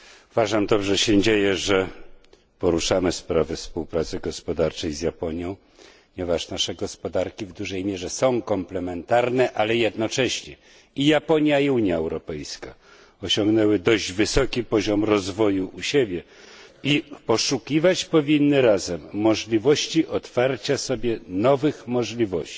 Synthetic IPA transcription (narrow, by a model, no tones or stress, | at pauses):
uvaʐamd̪ɔbʐɛɕɛd͡ʑejɛʐɛ | pɔɾuʂamɘspɾavɘfspuwpɾat̪sɘɡɔspɔd̪aɾt͡ʂɛjzjapɔɲjɔ̃w̃ | pɔɲɛvaʂnaʂɛɡɔspɔd̪aɾkʲivd̪uʐɛjmʲjɛʐɛsɔ̃w̃kɔmplɛmɛnt̪aɾnɛʔalɛjɛd̪nɔt͡ʂɛɕɲɛ | ijapɔɲjaiuɲjaɛwɾɔpɛjska | ɔɕɔ̃ŋɡnɛwɘd̪ɔʑd͡ʑvɘsɔkʲipɔʑɔmɾɔzvɔjuʔuɕebʲjɛ | ipɔʂukʲivat͡ɕpɔvʲinːɘɾazɛmːɔʐlʲivɔɕt͡ɕiʔɔt̪faɾt͡ɕasɔbʲjɛnɔvɘxmɔʐlʲivɔɕt͡ɕi̥